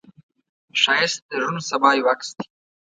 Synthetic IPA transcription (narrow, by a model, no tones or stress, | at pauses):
ʃɑjɪst̪̚d̪əʒunosabɑːjwakst̪i̥